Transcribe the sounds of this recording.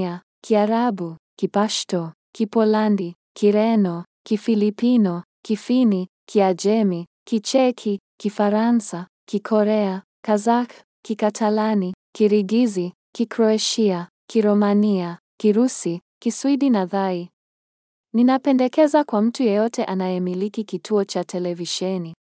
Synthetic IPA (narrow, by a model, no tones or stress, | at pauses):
a | kʰiaɾabukipaʃtɔ | kipɔlandi | kʰiɾɛnɔ | kifilipinɔ | kifini | kʰiad͡ʒɛmi | kit͡ʃɛkʰikifaɾansa | kikʰɔɾɛa | kazak | kikatʰalanikiɾiɡizi | kikɾɔaʃia | kiɾɔmaniakiɾusikiswidinaðai | ninapɛndɛkɛzakwam̩tujɛjɔtɛʔanajɛmilikikitʰuɔt͡ʃatʰɛlɛviʃɛni